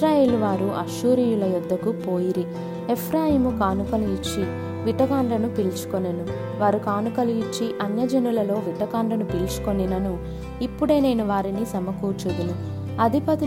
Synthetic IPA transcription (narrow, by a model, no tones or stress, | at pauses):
ɾaːje̞ːluʋaːɾuʔɐ̰ʃuːɾijulɐjud̪ʱːɐkupoːjiɾi | epʰɾaːjimukaːnukɐliɡit͡ʃːi | ʋiʈɐkaːɳɖɐnupilt͡ʃu̥konɐnu | ʋaːɾukaːnukɐliit͡ʃːiʔɐnjɐd͡ʒɐnulɐlo̞ːʋiʈɐkaːɳɖɐnupilt͡ʃu̥konːinɐnu | ipːuɽe̞ːne̞ːnuʋaːɾinisɐmɐkuːt͡ʃud̪unu | ɐd̪ʱipɐt̪u